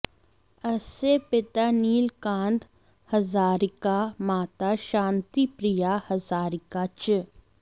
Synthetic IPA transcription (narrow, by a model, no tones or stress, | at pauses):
ɐsepɪt̪aniːlkãːnd̪ | hɐzaːɾɪkamaːt̪aʃãːnt̪ipɾɪjahɐzaːɾɪkat͡ʃ